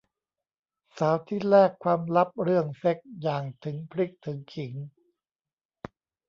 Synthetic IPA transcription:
saː˩˦wt̪ʰiː˥˩ɾɛː˥˩kʰwaː˧mɾa˦˥p̚ɾɯ˥˩əŋse˦˥k̚jaː˨˩ŋt̪ʰɯ˩˦ŋpʰɾi˦˥k̚t̪ʰɯ˩˦ŋkʰi˩˦ŋ

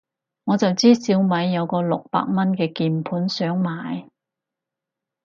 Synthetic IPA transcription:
ŋɔː˨˧t͡sɐ˨wt͡siː˥siː˨˥wmɐ˨˧jːɐ˨˧wkɔː˧lʊ˨k̚pa̰ː˧k̚mɐ˥nkɛː˧kiː˨˩npʰuː˨˥nsœː˨˥ŋmaː˨˧j

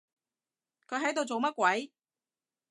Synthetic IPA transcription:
kʰɵ˨˧ɥɦɐ˨˥jt̪o˨˧wt͡so˨wmɐ˥t̚kʷwɐ˨˥j

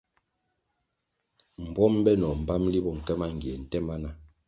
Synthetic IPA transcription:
m̩˨bwɔ˦mbɛ˦nɔ˨m̩˨ba˦mli˦bɔ˨ŋ̩˨kɛ˦ma˦ŋ˨ɡi˨e˨n̩˨tɛ˦ma˦na˦

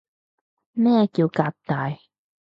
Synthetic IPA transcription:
mɛ̃ː˥˧ki˧ka˨˧p̚t̪a˨j

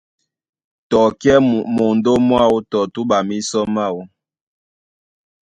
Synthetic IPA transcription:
tɔ˨kjɛ˦mo˨ndo˦mwa˦˨wo˦tɔ˨tu˦ɓa˨mi˦sɔ˦ma˦˨wu˦

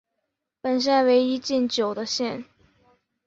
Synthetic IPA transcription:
pə˨˩nɕ̬ɛ˥˩nwe˧˥ɪi˥t͡ɕi˥˩nt͡ɕjo˨˩ʊd̪ə˦ɕjɛ˥˩n

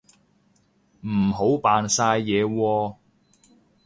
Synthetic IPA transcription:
m̩˨˩ɦo˨˥wpaː˨˧nsaː˧jːɛː˨˧wɔː˧

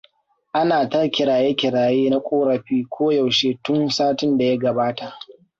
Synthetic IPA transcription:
ʔa˦naː˨tɐ˦rkʲɪ˨ɽaː˨je˦kʲɪ˨ɽaː˨jeː˦na˦kʷʼoː˦ɽɐ˨ɸiː˦kʷʰoː˦ja˨wʃeː˦tʊ˦nsaː˦tɪ˦nda˨ja˦ɡɐ˨baː˦ta˨ʔ

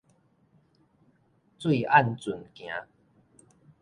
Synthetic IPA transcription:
t͡swe˥˧˨ʔa˥˨nt͡sʊ˨˩nkj̃ã̰˨˦

